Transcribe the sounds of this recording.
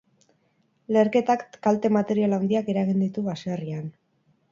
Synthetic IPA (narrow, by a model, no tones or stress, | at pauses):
le̞ɾke̞t̪akkalt̪e̞mat̪e̞ɾialawnd̪iake̞ɾaɣ̞ind̪it̪uβaserian